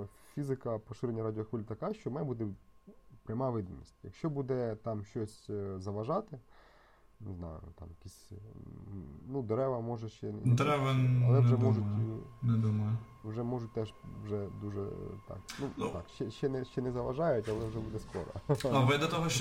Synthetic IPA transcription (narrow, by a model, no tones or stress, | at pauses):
fʲizɪkɐpɔʃɪɾenʲːɐɾadʲiɔxʋɪlʲt̪ɐkɑʃt͡ʃɔmɑjɛbut̪ɪ | pɾʲɐmɑʋɪd̪mʲisʲtʲjɐkʃt͡ʃɔbud̪ɛt̪ɑmʃt͡ʃɔsʲzɐʋɐʒɑt̪ɪ | neznɑ̰jʊ̰t̪ɑ̰mjɐkʲisʲ | nud̪ɾɛʋɐmɔʒɛʃt͡ʃɛd̪ɾɛʋɐɐlˠɛʒɛmɔʒʊtʲnɛd̪umɐjʊ | wʒɛmɔʒʊt̚ʲt̪ɛʒwʒɛd̪uʒɛ̰t̪ɑ̰knunt̪ɑkʃt͡ʃɛʃt͡ʃɛnɛʃt͡ʃɛnɛzɐʋɐʒɑjʊtʲɐlˠɛwʒɛbud̪ɛskɔ̰ɾɔ̰ɐʋɪd̪ɔt̪ɔɦɔ